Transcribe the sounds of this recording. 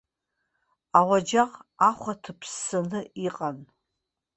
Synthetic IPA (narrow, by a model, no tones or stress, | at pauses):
awad͡ʒaqaχʷatʰɨpʰsanɨiqʼan